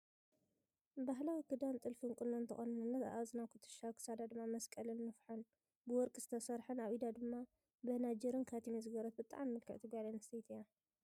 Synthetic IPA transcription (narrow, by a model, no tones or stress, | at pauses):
baɦlawikɨd̪ant̪ʼɨlfinkʼɨnont̪ʰɐ̰xʼonɐnɨnːɐt̪a̰ʔazɨnakʰɨ̥t̪ʰɨ̥ʃakʰɨ̥sad̪ad̪ɨmːamɐskʼɐlɨnːɨfħan | bɨwɔɾkʼɨz̥ɨt̪ʰɐsɐɾħɨnaβid̪ad̪ɨmːa | bɐnad͡ʒɛɾɨnkʰat̪ʰimezɨɡɐɾɐt̪̚bɨt̪ʼa̰ʕmimɨlkʰɐ̰ʕt̪ʰiɡʷaʕlenɐst̪ʰejt̪ʰija